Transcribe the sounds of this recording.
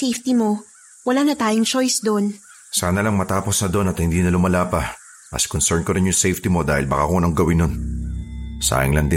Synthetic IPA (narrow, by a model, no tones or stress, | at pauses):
sejft̪imo̞ | wɐlanɐt̪aːjoŋt͡ʃojsd̪on | saːnɐlɐŋmɐt̪aːpo̞snɐd̪o̞nɐt̪hɪnd̪iːnɐlʊmɐlaːpɐ | mɐ̰skonsɛɹnkoɾɪnjʊŋsejft̪imo̞d̪a̰ːhɪ̰lbɐka̰konɐŋɡɐwɪnːon | sa̰hɪŋlɐŋd̪ɪ